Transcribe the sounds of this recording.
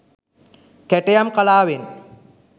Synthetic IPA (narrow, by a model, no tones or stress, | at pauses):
kæʈejamkalaːʋen